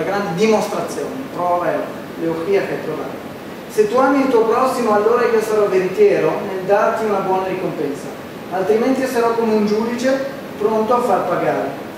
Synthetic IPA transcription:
aɡɾand̪ed̪imost̪ɾat̪sːjoːnepɾɔvaɛo | leoxiːakap̪ɾova̰ːt̪ | set̪ːuamːiilt̪uopɾɔsːimoalːoːɾakiosaɾɔveɾit̪jɛːɾoneld̪art̪iunabwɔːnaɾikompɛnsa̰ | alt̪ɾiment̪isaɾɔkːomeund͡ʒuːd̪it͡ʃe | pɾont̪oafːarpaɡaːɾe

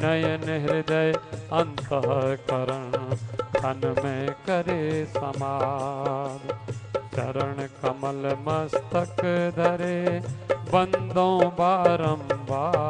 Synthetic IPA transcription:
nɐjɐnɦɪɾid̪ɐjɐnt̪ɐɦɐkɐɾɐɳkʰɐnmẽkɐɾesɐmaː | d̪t͡ʃɐ̰ɾɐɳ̃kɐmɐlmɐst̪ɐkd̪ʱɐɾe | bɐ̃nd̪ʱõːbaːɾɐmbaː

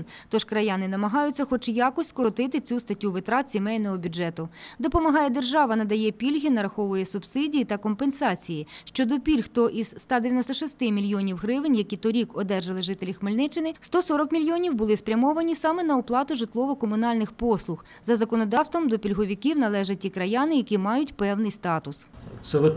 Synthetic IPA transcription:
n | t̪ɔʃkɾɐjɑnɪnɐmɐɦɑjʊt͡sʲːɐxɔt͡ʃjɑkɔsʲkɔɾɔt̪ɪt̪ɪt͡sʲust̪ɐtʲːuʋɪt̪ɾɑt̪sʲimɛjnɔɦɔbʲʊd͡ʒɛt̪ʊd̪ɔpɔmɐɦɑjɛd̪erʒɑʋɐnɐd̪ɐjɛpʲilʲɦʲinɐɾɐxɔʋʊjɛsʊb̥sɪdʲijit̪ɐkɔmpensɑt͡sʲijiʃt͡ʃɔd̪ɔpʲilʲxt̪ɔʔizst̪ɑd̪eʋʲjɐnɔst̪ɔʃɪst̪ɪmʲilʲjɔnʲiwɦɾɪʋɪnʲjɐkʲit̪ɔɾʲikɔd̪ɛrʒɐlˠɪʒɪt̪elʲixmelʲnɪt͡ʃɪnɪst̪ɔsɔɾɔkmʲilʲjɔnʲiwbʊlˠɪspɾʲɐmɔʋɐnʲisɑmɛnɐɔplˠɑt̪ʊʒɪt̪lˠɔʋɔkɔmʊnɑlʲnɪxpɔslˠʊx | zɐzɐkɔnɔd̪ɑwst̪ʋɔmd̪ɔpʲilʲɦɔʋʲikʲiwnɐlˠɛʒɛtʲikɾɐjɑnɪjɐkʲimɑjʊtʲpɛwnɪjst̪ɑt̪ʊssɛ

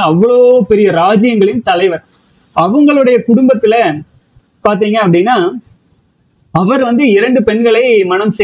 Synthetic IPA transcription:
ɐʋːɐɭoːpɛɾɪjɐɾaːd͡ʒɪjɐŋɡɐɭɪnt̪ɐlɐɪʋɐɾ | ʔɐʋɐŋɡɐɭɯɽɐjɐkʊɽʊmbɐt̪ːɪlɐ | paːɾt̪̬iːŋɡɐːp̬ːɐɽɪnːaː | ɐʋɐɾʋɐnd̪ɯɪɾɐɳɖɯpɛɳɡɐɭɐɪmɐnɐmsɛ

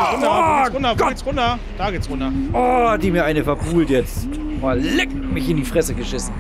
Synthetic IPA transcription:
ʊnʊndɐɡ̥ɔt͡sʁʊndɐ | d̥aːɡeːt͡sʁʊndɐʔɔdiːmiːɐʔaɪnəfɛɐpʰuːltjɛt͡st | mallɪkŋ̩mɪçɪndiːfʁ̥ɛsəɡəʃɪsn̩

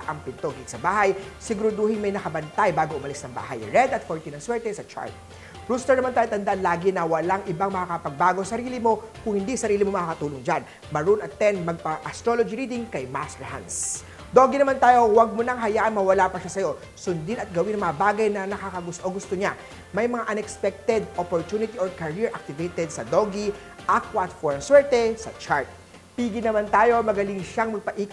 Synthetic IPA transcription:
ʔɐŋpɪnt̪oɡiksɐbaːɦɐjsɪɡɾʊd̪uːhɪŋmɐjnɐkɐbɐnt̪ajbaːɡoʔʊmɐlisnɐŋba̰ːɦɐ̰jɹɛd̪ɐt̪foɹt̪inɐŋswɛɹt̪ɛsɐt͡ʃa̰ɹd̪̚ | pɾuːst̪ɛɹnɐmant̪aːjot̪ɐnd̪aʔɐnlaːɡɪnɐwɐlaŋʔɪbaŋmɐkakɐpɐɡ̚baːɡo̞sɐɾiːlɪmo̞kʊŋhɪnd̪isɐɾiːlɪmomɐkaːkɐt̪uːloŋd͡ʒan | mɐɹunɐt̪ːɛnmɐɡ̚pɐʔɐst̪ɾolod͡ʒiɾiːd̪ɪŋkɐjmast̪ɛɹha̰ns | d̪o̞ɡinɐmant̪aːjo̞wɐɡ̚mʊnɐŋɦɐjaːʔɐnmɐwɐlapɐʃasɐjo̞ | sʊnd̪inɐt̪̚ɡɐwɪnɐŋmɐŋabaːɡɐjnɐnɐkakɐɡʊst̪ʔoŋɡʊst̪oɲa | mɐjmɐŋaʔɐnɛkspɛk̚t̪ɛd̪opoɹt̪junɪt̪iokɐɹiɹʔɐk̚t̪ɪvejt̪ɛd̪̚sɐd̪oɡi | ʔakwɐt̪foɹnswɛɹt̪ɛsɐ̰t͡ʃaɹt̪̚ | piːɡɪnɐmant̪aːjo̞mɐɡɐlɪŋʃaŋmɐɡ̚pɐʔiːk

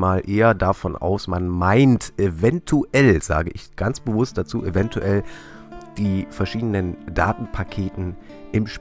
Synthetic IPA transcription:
maːlʔeːɐdafɔnʔa̰ʊsmanmaɪntʔevɛntʰuʔɛlz̥a̰ːɡəʔɪçɡ̥ant͡sb̥əvʊst̚d̥at͡sṵːʔevɛntʰuʔɛl | d̥iːfɛɐʃiːdənənd̥a̰ːtn̩pʰakʰeːtn̩ | ʔɪmʃ

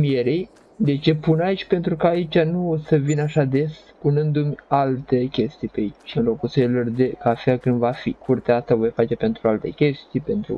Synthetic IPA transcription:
mijeɾej | d̪e̞t͡ʃe̞punait͡ʃʲpe̞nt̪ɾukaːit͡ʃʲanuosəvinəaʃad̪e̞s | punɨnd̪umʲalt̪e̞kʲe̞st̪ijpeait͡ʃʲɨnlo̞kuselord̪ekafeakɨnd̪vafikʰurt̪eaast̪avo̞jfat͡ʃe̞pe̞nt̪ɾualt̪e̞̰kʲe̞st̪ijpe̞nt̪ɾṵ

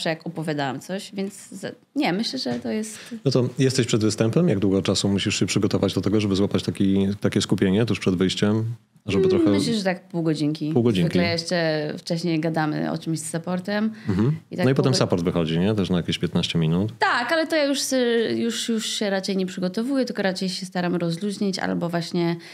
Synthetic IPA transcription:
ʂɛjakɔpɔvʲjad̪awamt̪sɔɕvʲjɛnt̪sz | ɲɛmɘɕlɛʐɛt̪ɔjɛst̪nɔt̪ɔjɛst̪ɛɕpʂɛd̪vɘst̪ɛmpɛmjaɡ̚d̪wuɡɔt͡ʂasumuɕiʂɕɛpʂɘɡɔt̪ɔvad͡ʑd̪ɔt̪ɛɡɔʐɛbɘɨzwapat͡ɕt̪akʲit̪akʲɛskupʲjeɲɛt̪̬uʂpʂɛd̪vɘjɕt͡ɕɛm | ʐɛbɨt̪ɾɔxɛmɘɕlɛʐɛt̪akpuwɡɔd͡ʑiŋkʲipuwɡɔd͡ʑinvkʲilɛjjɛʂt͡ʂɛft͡ʂɛɕɲejɡad̪amɘ̰ɔ̰t͡ʂɨmɕzːapɔɾt̪ɛmm̩ɦm̩ḭt̪anɔipɔt̪ɛmsapɔɾd̪vɘxɔd͡ʑiɲɛt̪ɛʂnajakʲeɕpʲjɛt̪naɕt͡ɕɛmʲinut̪t̪akalɛt̪ɔjajuʂsɛjuʂjuʂɕɛɾat͡ʂɛjɲɛpʂɘɡɔt̪ɔvujɛt̪ɘlkɔɾat͡ʂɛjɕɛst̪aɾamɾɔzluʑɲit͡ɕa̰lbɔvwaɕɲɛ

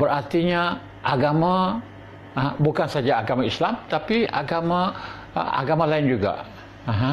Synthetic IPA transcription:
bəɾart̪iɲa | ʔaɡamã | bukansad͡ʒaaɡamãislamt̪apia̰ɡamã̰ | a̰ɡamãlaɪnd͡ʒuɡa̰ | aɦã

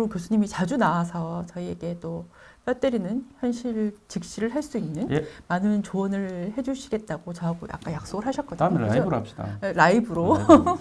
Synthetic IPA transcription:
kɯɾokjos̬ʰuɲimit͡ɕad͡ʑunawasʰʌt͡ɕʌie̞ɡe̞t͈ojʌt͈eɾinɯnçjʌnɕʰiɾt͡ɕik̚ɕ͈iɾɯɭɦaɭs͈uinːɯnmanɯnt͡ɕowʌnɯɭhe̞d͡ʑuɕʰiɡe̞t̚t͈aɡot͡ɕʌɦaɡojʔa̰k͈̚anjak̚s͈oɡɯɭɦaɕʰʌt̚k͈ʌdoɾap̚ɕida̰eɾaibɯɾo

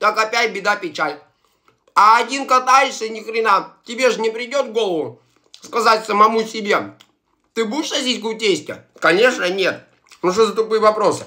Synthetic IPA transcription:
t̪akɐpʲæt̚ʲbʲɪd̪apʲɪt͡ɕalʲ | ɐːdʲinkɐt̪ajɪsʲənʲɪkɾʲɪnatʲɪbʲe̞ʐɨnʲɪpɾʲɪdʲo̞d̪ɡo̞lˠəvʊ | skɐzatʲsəmɐmusʲɪbʲe̞ | t̪ɨbudʲɪʂsɐzʲitʲkʊtʲesʲtʲɪ̰kɐnʲe̞ʂnənʲe̞t̪ | nuʂ̬ozət̪ʊpɨjəvɐpɾo̞sɨ̥

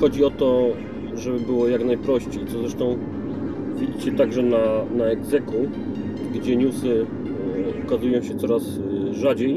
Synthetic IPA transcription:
xɔd͡ʑiɔt̪ɔ | ʐɛbɘbɘwɔjaknajpɾɔɕt͡ɕejt̪ɔzɾɛʂt̪ɔ̃w̃ | vʲid͡ʑit͡ɕɛt̪aɡʐɛnanaɛɡzɛku | ɡd͡ʑɛɲusɘ | ukazujɔ̃w̃ɕɛt̪sɔɾasʐad͡ʑej

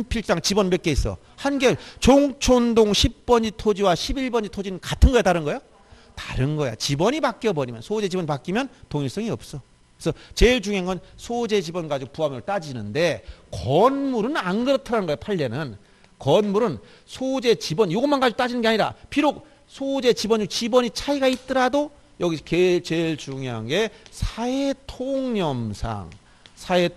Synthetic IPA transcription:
mpʰiɭ͈aŋt͡ɕibʌnmek͈e̞is͈ʌ̰ | hanɡeɭt͡ɕoŋt͡ɕʰondoŋɕʰip̚p͈ʌnd͡ʑitʰod͡ʑiwaɕʰibiɭbʌnd͡ʑitʰod͡ʑinɯnkatʰɯnɡʌjetaɾɯnɡʌjo | tḁɾɯnɡʌja̰t͡ɕibʌɲipak͈iʌbʌɾimjʌ̰nsʰod͡ʑe̞d͡ʑibʌɲipak͈imjʌntoŋiɭs͈ʌŋiʌp̚s͈ʌ | esʰʌt͡ɕe̞iɭd͡ʑuŋenŋɡʌnsʰod͡ʑe̞d͡ʑibʌnɡad͡ʑiɡopuɦamʌɾɯɭt͈ad͡ʑinɯnde̞kʌnmuɾɯnanɡɯɾʌtʰɯɾanɯnɡʌepʰaʎːenɯn | kʌnmuɾɯn | sʰod͡ʑe̞t͡ɕibʌnjoɡʌnmanɡad͡ʑiɡot͈ad͡ʑinɯnɡeaɲiɾa̰piɾok̚ | sʰod͡ʑe̞t͡ɕibʌnɲd͡ʑut͡ɕibʌɲit͡ɕʰaiɡait̚t͈ɯɾado | jʌɡisʰket͡ɕeɭt͡ɕuŋiɦaŋɡe̞sʰaetʰoŋɲʌmsʰa̰ŋ | sʰae

